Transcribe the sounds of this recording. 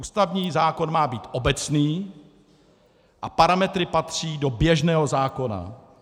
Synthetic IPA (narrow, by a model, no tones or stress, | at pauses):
uːst̪avɲiːzaːko̞nmaːbiːt̪ʔo̞bɛt͡sniː | ʔapaɾamɛt̪ɾɪpat̪r̝̥iːdo̞bjɛʒnɛːɦo̞zaːko̞na̰